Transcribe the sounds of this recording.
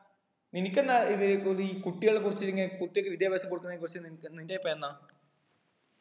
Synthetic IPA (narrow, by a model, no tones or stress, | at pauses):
ninikʲːenːaiðioiːkuʈːiɣɐɭekːurit͡ɕːiɾuŋːɐkuʈːijokːɨʋid̪jɐbaːsɕɐpːoɽukːunɐekurit͡ɕːɨninnindepːɐenːa